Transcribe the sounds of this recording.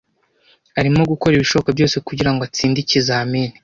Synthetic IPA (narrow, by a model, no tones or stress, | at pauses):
aɾimoɡukoɾiβiʃo̞βokabjo̞ːse̞kuɟiɾaŋɡoat͡siːndicizaːmiːni̥